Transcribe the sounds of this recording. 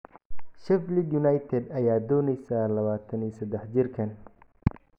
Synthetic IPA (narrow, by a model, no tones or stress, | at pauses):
ʃɛflɪd̪jʊnajt̪ʰɛd̪ɐjaːd̪ɔːnɛjsalɐβaːt̪ʰɐniːsɐd̪ɛħd͡ʒɪrkʰɐn